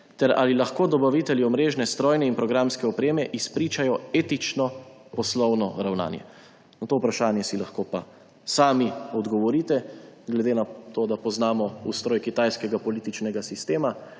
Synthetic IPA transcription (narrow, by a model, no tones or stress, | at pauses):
t̪ɛɾa̰lilaxkoːd̪ɔbaʋiːt̪ɛljiɔmɾeːʒnɛst̪ɾɔːjnɛinpɾɔɡɾamskɛɔpɾeːmɛʔispɾiːt͡ʃajɔeːt̪it͡ʃnɔpɔslɔwnɔɾawna̰ːnjɛ̰ | nɔt̪oːupɾaʃaːnjɛsilaxkoːpa | saːmiɔd̪ɡɔʋɔɾiːt̪ɛɡlɛd̪eːnat̪oːd̪apɔznaːmɔṵst̪ɾɔːjkit̪aːjskɛɡapɔliːt̪it͡ʃnɛɡasist̪eːma